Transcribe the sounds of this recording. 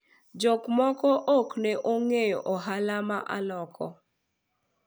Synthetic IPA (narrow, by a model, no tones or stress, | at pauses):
d͡ʒokmɔkɔʔokneʔoŋejɔʔɔɦalamaʔa̰lɔkʰɔ̰